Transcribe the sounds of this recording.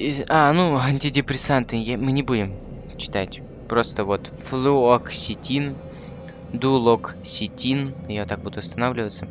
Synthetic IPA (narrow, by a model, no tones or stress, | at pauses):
anuɐnʲtʲɪdʲɪpɾʲɪsant̪ɨjamɨnʲɪbudʲɪm | t͡ɕɪ̥t̪atʲ | pɾo̞st̪əvo̞t̪flʲˠuoksʲɪtʲin | d̪ulˠoksʲɪtʲinɪjot̪ak̚bud̪ʊɐst̪ɐnavlʲɪvət̪sə